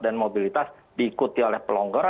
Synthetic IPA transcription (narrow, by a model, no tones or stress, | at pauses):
danmobilit̪as | diːkut̪iolɛhpəlɔŋɡɔɾa